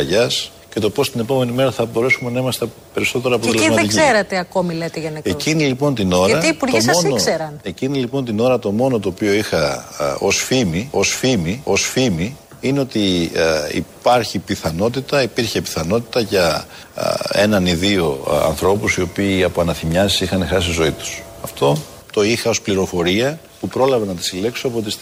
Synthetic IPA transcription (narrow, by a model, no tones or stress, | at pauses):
ɐʝɐs | ce̞t̪o̞po̞st̪ine̞po̞me̞nime̞ɾɐθɐbo̞ɾe̞sume̞nɐimɐst̪epe̞ɾiso̞t̪e̞ɾoɐpot̪elesmɐet̪iczieɾet̪eɐko̞milet̪eʝɐnekecinilipo̞nt̪ino̞ɾɐipuɾtisonosseɾɐnecinilipo̞nt̪ino̞ɾɐt̪o̞mo̞no̞t̪ooːpio̞ixɐo̞sfimio̞sfimio̞sfimi | ineot̪i | ḭpɐɾçipiθɐno̞t̪̬it̪ɐipiɾçe̞pi̥θɐno̞t̪i̥t̪ɐʝɐ̰ | e̞nɐniðio̞ɐ̰nθɾo̞pusio̞piːɐpoɐnɐθimɲɐsi̥ixɐnexɐssizo̞it̪u̥sɐft̪o̞ | t̪o̞ixɐo̞spliɾo̞fo̞ɾiɐ | pupɾo̞lɐvenɐt̪i̥sile̞ksoɐpot̪is